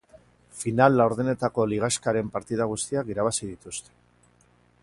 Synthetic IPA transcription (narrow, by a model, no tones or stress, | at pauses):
finalːawɾðene̞t̪ako̞liɣ̞askaɾe̞mpaɾt̪iðaɣust̪iakiɾaβasið̞it̪ust̪e̥